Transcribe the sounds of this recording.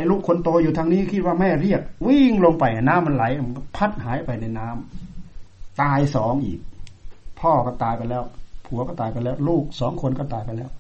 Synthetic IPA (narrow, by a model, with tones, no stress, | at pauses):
ʔa˧jluː˥˩kʰːo˧nt̪oː˧juː˨t̪ʰaː˧ŋniː˧˥˩kʰi˧˩t̪̚waː˧˩mɛː˧˥˩ɾi˥˩ək̚wi˥˩ŋlo˧ŋpa˨˩jʔa˨˩naː˦˥˨mːa˧nla˨˦jm˧kɔ˥˩pʰa˦˥˩t̪̚haː˨˦jpa˨jna˧˩jnaː˦˥m | t̪aː˧jsɔː˨˩˦ŋʔḭː˨˩k̚pʰɔː˥˩kɔː˧˩t̪aː˧jpa˧lɛː˧˥˩wpʰu˨˦ɐkɔː˧˥˩t̪aː˨˧jpa˧nlɛː˥˩wluː˥˩k̚sɔː˩˦ŋkʰo˧nkɔː˥˩t̪aː˨˧jpa˧˩lɛː˦˥˩w